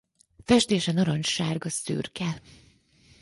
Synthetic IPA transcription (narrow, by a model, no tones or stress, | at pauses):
fɛʃt̪eːʃɛnɒɾoɲʃaːrɡɒsy̰ːrkɛl